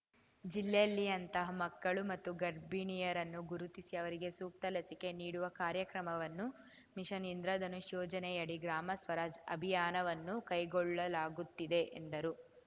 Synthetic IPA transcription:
d͡ʒilːejɐlːijɐnt̪ɐɦɐmɐkːɐɭumɐt̪ːuɡɐɾbiɳijɐɾɐnːuɡuɾut̪isiɐʋɐɾiɡe̞suːk̚t̪ɐlɐsike̞niːɽuʋɐkaːɾjɐkɾɐmɐʋɐnːu | miʃɐnind̪ɾɐd̪ɐnuʃjɔːd͡ʒɐnɛjɐɽiɡɾaːmɐsʋɐɾaːd͡ʒɐ̰bʱijaːnɐʋɐnːukɐjɡɔɭːɐlaːɡut̪ːid̪e̞ʔend̪ɐɾu

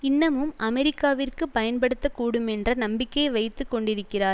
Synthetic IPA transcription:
ɪnːɐmɯmʔɐmɛɾɪkːaːʋɪrkɯpːɐjɐnpɐɽɯt̪ːɐkuːɽɯmɛndrɐnɐmbɪkːɐʋɐɪt̪ːɯkːɔɳɖɪɾɯkːɪraːɾ

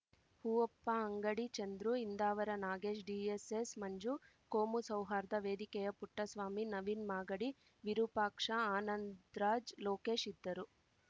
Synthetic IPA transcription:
huːɔpːɐɐŋɡɐɽit͡ʃɐnd̪ɾuind̪aːʋɐɾɐnaːɡeːʃɖiesesmɐɲd͡ʒu | koːmusɐwɦaːɾd̪ɐʋe̞ːd̪ikɛjɐpuʈːɐsʋaːminɐʋinmaːɡɐɽi | ʋiɾupaːkʂɐaːnɐnd̪ɾaːd͡ʒloːke̞ːʂid̪ːɐɾu

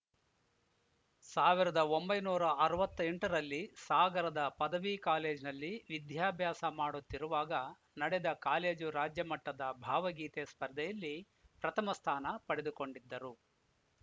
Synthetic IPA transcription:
saːʋiɾɐd̪ɐo̞mbɐjnuːɾɐɐɾɐʋɐt̪ːeɳʈɐɾɐlːisaːɡɐɾɐd̪ɐpɐd̪ɐʋikaːle̞ːd͡ʒnɐlːiʋid̪ʱjaːbʱjaːsɐmaːɽut̪ːiɾuʋaːɡɐ | nɐɽɛd̪ɐkaːle̞ːd͡ʒuɾaːd͡ʒjɐmɐʈːɐd̪ɐbʱaːʋɐɡiːt̪espɐɾd̪ʱɛjɐlːi | pɾɐt̪ʰɐmɐst̪ʰaːnɐpɐɽed̪uko̞ɳɖid̪ːɐɾu

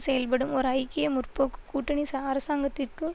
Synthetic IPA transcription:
sɛjɐlpɐɽɯmɔɾɯɐɪkɪjɐmʊrpoːkːɯ̥kuːʈːɐɳisɐɐɾɐsaːŋɡɐt̪ːɪrkɯ

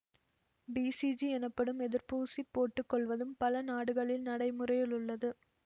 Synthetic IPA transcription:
biːsid͡ʒiɛnɐpːɐɽɯmɛðɪɾpuːsipːoːʈːɯkːɔɭʋɐðɯmpɐlɐnaːɽɯɣɐɭɪlnɐɽɐɪmɯrɐjɪlʊɭːɐðɯ

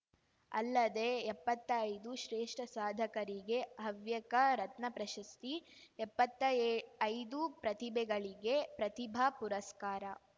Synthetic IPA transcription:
ɐ̰lːɐd̪e̞ːpːɐt̪ːɐːjd̪uʃɾeːʂʈɐsaːd̪ʱɐkɐɾiɡe̞ɦɐʋjɐkɐɾɐt̪nɐpɾɐʃɐst̪iɛpːɐt̪ːɐɐjd̪upɾɐt̪ibɛɡɐɭiɡepɾɐt̪ibʱapuɾɐskaːɾɐ

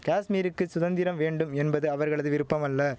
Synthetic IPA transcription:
kaːsmiːɾɯkːɯsʊðɐnd̪ɪɾɐmʋeːɳɖɯmɛnbɐðɯɐʋɐɾɣɐɭɐðɯʋɪɾɯpːɐmɐlːɐ

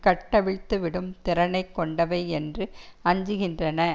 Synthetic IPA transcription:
kɐʈːɐʋɪɻt̪ːɯʋɪɽɯmt̪ɪɾɐnɐɪkːɔɳɖɐʋɐɪɛndrɯɐɲd͡ʒɯɣɪndrɐnɐ

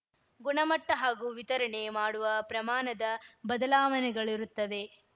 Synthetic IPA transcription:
ɡuɳɐmɐʈːɐɦaːɡuːʋit̪ɐɾɐɳemaːɽuʋɐpɾɐmaːnɐd̪ɐbɐd̪ɐlaːʋɐnɛɡɐɭiɾut̪ːɐʋe̞

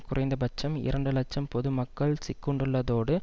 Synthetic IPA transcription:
kʊrʔɐɪnd̪ɐbɐt͡ʃːɐmɪ̰ɾɐɳɖɯlɐt͡ʃːɐmpɔðɯmɐkːɐɭsɪkːɔɳɖɯɭːɐðoːɽɯ

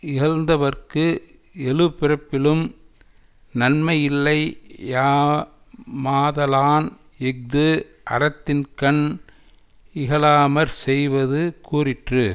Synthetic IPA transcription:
ɪɣɐlnd̪ɐʋɐrkɯ | ɛɻɯpːɪrɐpːɪlɯm | nɐnmɐjɪlːɐɪjaː | maːðɐlaːn | ɛk̚d̪ɯ | ʔɐ̰ɾɐt̪ːɪnkɐɳ | ɪɣɐlaːmɐɾsɛjʋɐðɯkuːrɪʈrɯ

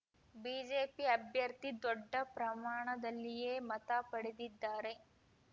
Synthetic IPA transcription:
biːd͡ʒeːpiɐbʱjɐɾt̪id̪ɔɖːɐpɾɐmaːɳɐd̪ɐlːijeːmɐt̪apɐɽed̪id̪ːaːɾe̞

